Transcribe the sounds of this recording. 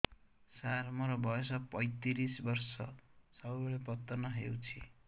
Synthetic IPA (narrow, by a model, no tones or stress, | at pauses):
sarmoɾɔbʱʌjosʌpʌjt̪iɾisbʌrsʌsʌbbeɭepʌt̪ːɔnʌɦḛwt͡sʰḭ